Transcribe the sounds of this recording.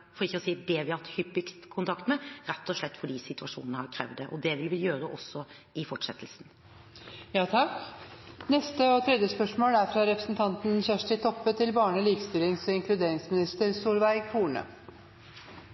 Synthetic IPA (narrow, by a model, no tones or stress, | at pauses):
fɔɾɪçːəɔsiːd̪ɛʋɪhɑɑt̪hʏpːɪkst̪kʰʊnt̪ʰɑkt̪mɛɾɛt̪ːɔʂɭɛt̪ːfɔɖiːsɪt̪ʉɑʂṵːnənəhɑɾkʰɾɛ̰ːʋd̪ɛʔɔd̪ɛʋɪlʋɪjøːɾəʔɔsːɔ | ɪfɔʈʂɛt̪ʰːlsn | jɑːt̪ʰɑk | nɛst̪əɔt̪ʰɾɛd̪jəspœʂmoːlæɾfɾɑɾɛpɾəsn̩t̪ʰɑnt̪n̩çæʂʈɪt̪ʰɔpːət̪ʰɪlbɑːɳəliːkst̪ʏːlɪŋsɔɪŋklʉd̪eːɾɪŋsmɪnɪst̪əɾsuːɾʋæɪɡkʰuːɳə̰